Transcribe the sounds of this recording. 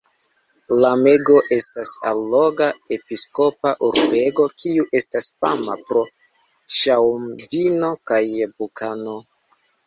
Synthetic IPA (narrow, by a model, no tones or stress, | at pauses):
lame̞ɡo̞ʔe̞stasa̰lːo̞ɡae̞pisko̞paʔuɾbe̞ɡo̞kʰiuʔe̞stasfamapɾo̞ | ʃawmvino̞kajbukʰano̞